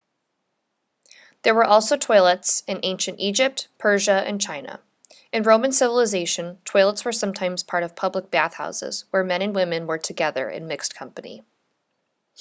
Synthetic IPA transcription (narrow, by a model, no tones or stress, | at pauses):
ðə˞wə˞ʔɔlˠsoʊtʰwɔɪlˠətsɨ̃nʔẽɪ̃nʃɨ̃ntid͡ʒɪp̚t̚pʰɜ˞ʒəɨ̰̃nt͡ʃʰãɪ̃nə̰ | ɨ̃nɹõʊ̃mɨ̃nsɪvəl̩ˠəzeɪʃɨ̃ntʰwɔɪlˠətswə˞sʌ̃mtʰãɪ̃mz̥pʰɑɹɾʌv̥pʰʌblək̚b̥æθha̰ʊsɪ̰z̥wə˞mɛ̃ñɨ̃nwɪ̃mɨ̃nwə˞tʰɨɡɛðə̰˞ʔɨ̰̃nmɪkskʰʌ̃mpɨnḭ